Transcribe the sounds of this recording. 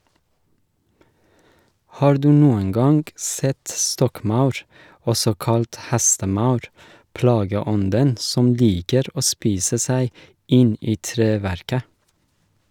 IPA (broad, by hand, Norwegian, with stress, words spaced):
ˈhɑːɾ ˈdʉː ˈnuːəŋ ˈɡɑŋɡ ˈsɛt ˈstɔkˌmɑʉɾ ˈɔsɔ ˈkɑlt ˈhæstəˌmɑʉɾ ˈplɑːɡəˌɔndən ˈsɔm ˈliːkəɾ ˈoː ˈspiːsə ˈsæɪ ˈɪn ˈiː ˈtɾeːˌʋæɾkə